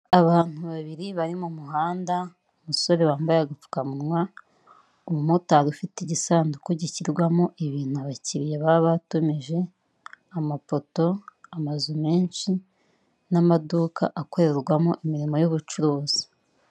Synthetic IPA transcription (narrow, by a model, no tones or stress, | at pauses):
aβaːn̥uβaβiɾiβaɾimumuɦaːnda | umuso̞ɾe̞βaːmbajaɡafu̥kamunŋwa | umutaɾufiteɟisaːndukoɟiciɾɡwamo̞ʔiβiːn̥uaβaciɾije̞βaβatomiʒe̞ | amafo̞to̞amazume̞ːnʃi | namaduːka̰ʔako̞ɾeɾɡwamoʔimiɾimo̞joβut͡ʃuɾoːz̥i̥